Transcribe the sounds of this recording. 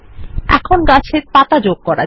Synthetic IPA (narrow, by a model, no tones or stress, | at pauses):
ɛ̰kʰonɡat͡ɕʰeɾp̪at̪ad͡ʑoɡ̚kɔɾa̰